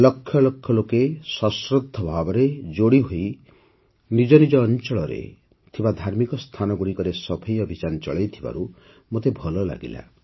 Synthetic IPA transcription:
lɔkʰːjɔlɔkʰjɔlokesɔsɾod̪ʱːɔbʱabɔɾed͡ʒoɽiɦoj | nid͡ʒɔnid͡ʒɔːnt͡ʃɔɭɔɾḛ | t̪ʰibad̪ʱaɾmikɔst̪ʰanɔɡuɽikɔɾesɔbʰʱejɔbʱid͡ʒant͡ʃɔ̰ɭejt̪ʰiba̰ɾu | mot̪ebʱɔlɔla̰ɡḭla̰

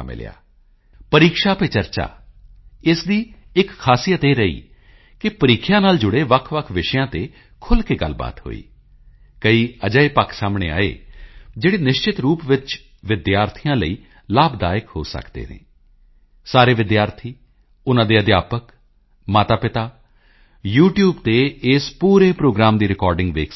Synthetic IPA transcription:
mɪ̰lja̰ː | pəɾiːkʃaːpeːt͡ʃəɾt͡ʃa̰ː | ɪsd̪iːɪkʰːaːsijət̪eːɾəḭː | kɪpəɾiːkʰjãːnaːld͡ʒʊɽeːʋəkʰʋəkʰʋɪʃəjãːt̪eː | kʰʊlkeːɡə̰lːba̰ːt̪ɦo̰ːḭː | kəiːəd͡ʒəːipəkʰsaːmɽ̃ḛːa̰ːḛːd͡ʒeːɽiːnɪʃt͡ʃɪt̪ɾuːpʋɪt͡ʃ | ʋɪd̪jaːɾt̪ʰijãːləiː | laːbd̪aːjəkɦo̰ːsə̰kd̪ḛːnḛ̃ː | saːɾeːʋɪd̪jaːɾt̪ʰiː | ʊnãːd̪eːəd̪jaːpək | maːt̪aːpɪt̪aː | juːʈjuːbt̪eːɪspuːɾeːpɾoːɡɾaːmd̪iːɾɪkɔːɾɖɪ̃ŋɡʋḛːk

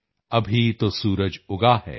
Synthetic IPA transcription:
ɐbʱit̪osuːɾəd͡ʒʊɡahɛ̰ː

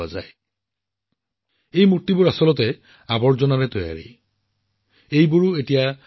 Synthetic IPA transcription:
aza̰j | ejmut̪ːibuɹasɔlɔt̪e | abɔɹd͡ʒɔnaɾɛt̪oja̰ɹḭ | ejbuɹuetija

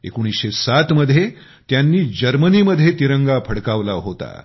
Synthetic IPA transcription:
ḛkoɽ̃isɕesat̪məd̪ʱje | t̪janːiːd͡ʑəɾməniːməd̪ʱjet̪iɾəŋɡapʰəɽkaʋlaɦot̪a̰

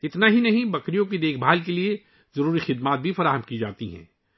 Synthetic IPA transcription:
ɪt̪naɦinɐɦĩbɐkɾijõk̬id̪eːkʰbʱaːlk̬elie | zɐɾuːɾixɪd̪maːt̪̚bʱifɐɾaːɦəmkid͡ʒa̰ːt̪iɦɛ̰̃ː

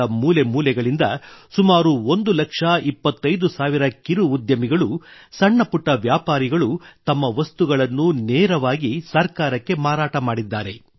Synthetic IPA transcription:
ɐmuːlemuːlɛɡɐɭind̪ɐsumaːɾuo̞nd̪ulɐkʂɐipːɐt̪ːɐjd̪usaːʋiɾɐkiɾuːd̪jɐmiɡɐɭusɐɳːɐpuʈːɐʋjaːpaːɾiɡɐɭut̪ɐmːɐʋɐst̪uɡɐɭɐnːunɛːɾɐʋaːɡisɐɾkaːɾɐkːe̞maːɾaːʈɐmaːɽid̪ːaːɾe̞

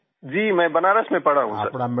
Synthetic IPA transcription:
d͡ʒiːmɛ̃ːbɐnaːɾəsmẽpɐɽaɦṵ̃sɐ̰ɾpnam

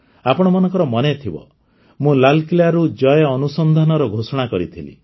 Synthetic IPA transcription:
apɔɽ̃ɔmɔnɔŋkɔɾɔmɔnet̪ʰibɔ̰ | mũlalkilaɾud͡ʒɔjɔɔnusɔnd̪ʱanɔɾɔɡʱosɔɽ̃akɔɾit̪ʰilḭ

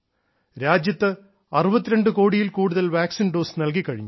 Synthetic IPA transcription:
ɾaːd͡ʑjɐt̪ːɨ | ɐrubɐt̪ːiɾeɳɖɨko̞ːɽijilkuːɽuðɐlʋaːksinɖoːsnɐlk̬ikːɐɻiɲːu

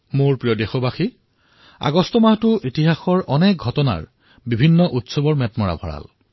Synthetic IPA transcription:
moɹpɹijɔdexɔbaxi | a̰ɡɔstɔmaɦtʊʔitiɦaxɔɹʔɔnɛk̚ɡʱɔtɔna̰ɹ | bibʱinːɔʔutsɔbɔɹmɛtmɔɹa̰bʱɔɹa̰l

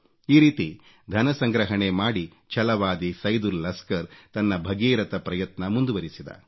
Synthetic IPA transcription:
iːɾiːt̪i | d̪ʱɐnɐsɐŋɡɾɐɦɐɳemaːɽi | t͡ʃɐlɐʋaːd̪isɐjd̪uɾlɐskɐɾt̪ɐnːɐbʱɐɡiːɾɐt̪ɐpɾɐjɐt̪nɐmund̪uʋɐɾisid̪ɐ̰

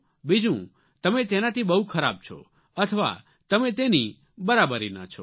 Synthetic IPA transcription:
bid͡ʒũ | t̪əmẽt̪enat̪ʰibəɦukʰəɾa̰b̚t͡ʃʰo̰ | ət̪ʰəʋa̰ | t̪əmẽt̪eni | bəɾabəɾina̰t͡ʃʰo

